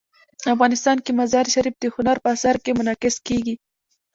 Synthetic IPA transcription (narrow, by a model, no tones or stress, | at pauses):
afɣɑnɪst̪ɑnkimazɑɾʃaɾifd̪əhʊnaɾpəasaɾkemʊnɑkɪskeɡi